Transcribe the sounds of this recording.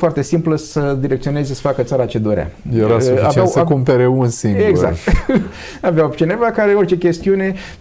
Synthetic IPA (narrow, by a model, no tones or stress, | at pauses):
foart̪e̞simpləsəd̪iɾek̚t̪sio̞ne̞zesə̥fakət̪saɾat͡ʃe̞d̪o̞ɾea̰jeɾaoavawsekumpeɾeunsiŋeɡza̰kt̪ | aveawt͡ʃine̞vakaɾeort͡ʃe̞kʲe̞st̪iune̞